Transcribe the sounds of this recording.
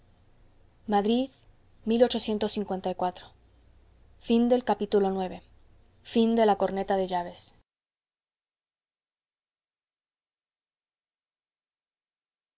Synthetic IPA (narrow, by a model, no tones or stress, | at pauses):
maðɾið | milo̞t͡ʃo̞sje̞nt̪o̞sːiŋkwe̞nt̪ajkwat̪ɾo | find̪e̞lkapit̪ulo̞nwe̞βe̞ | find̪e̞lako̞ɾne̞t̪aðe̞ʝaβe̞s